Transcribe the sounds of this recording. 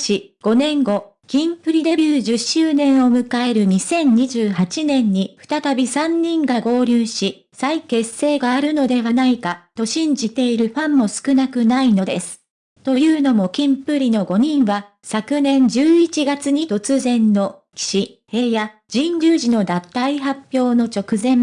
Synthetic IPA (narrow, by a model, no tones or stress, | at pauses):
ɕiɡ̥o̞nẽ̞ŋɡo̞ | kʲĩmpɯ̟ɾʲid̪e̞bʲɨːʑɨɕːɨːnẽ̞ɰ̃o̞mɯ̟kae̞ɾɯ̟ɲ̟isẽ̞ɲ̟ɲiʑɨːɦat͡ɕinẽ̞ɲ̟ːiɸɯ̟̥t̪at̪abʲisãɲ̟ːĩŋɡaɡo̞ːɾʲɨːɕi | saike̞sːe̞ːɡaːɾɯ̟no̞d̪e̞βanaikat̪o̞ɕĩɲ̟d͡ʑit̪e̞iɾɯ̟ɸãmːo̞sɨ̥kɯ̟nakɯ̟naino̞d̪e̞sɨ̥ | t̪o̞jɯ̟ːno̞mo̞kʲĩmpɯ̟ɾʲino̞ɡo̞ɲ̟ĩɰ̃βa | sakɯ̟nẽ̞ɲd͡ʑɨːit͡ɕiɡat͡sɨɲ̟it̪o̞t͡sɨzẽ̞nːo̞ | kʲi̥ɕi | he̞ːja | d͡ʑĩɲɾʲɨːʑino̞d̪ãt̪ːaiɦapʲjo̞ːno̞t͡ɕo̞kɯ̟zẽ̞m